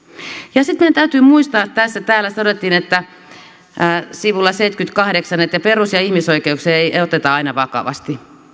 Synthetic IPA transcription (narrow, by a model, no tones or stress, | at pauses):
jɑsit̪meijænt̪æyt̪yːmuist̪ɑːt̪t̪æsːæt̪æːlːæst̪ɑnot̪ːinet̪ːæ | siʋulːɑseit̪kyt̪kɑhdeksɑnːet̪jɑperusjɑihmisoikeukseeieiot̪et̪ɑɑinɑʋɑkɑ̰ʋɑ̰st̪i